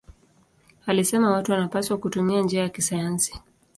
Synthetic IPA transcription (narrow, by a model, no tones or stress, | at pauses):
alisɛmawatuwanapaswakutumiand͡ʒiajakisajansi̥